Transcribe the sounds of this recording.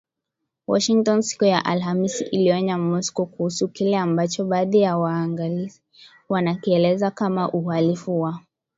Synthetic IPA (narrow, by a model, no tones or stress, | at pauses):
wɔ̰ʃiŋtɔnsi̥kujaʔalɦamisiʔiliɔɲamɔskɔkuhusukilɛambat͡ʃɔɓaːðijawaːŋɡalii | wanakiɛlɛzakamaʔuhalifuwa